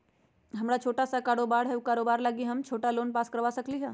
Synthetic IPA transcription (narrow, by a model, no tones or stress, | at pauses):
ɦɐmɾat͡ʃʰoːʈasakaːɾoːbaːɽɦɛukaːɾoːbaːɾlaːɡiɦɐmt͡ʃʰoːʈaloːnpaːskəɾʋasɐkliɦɛː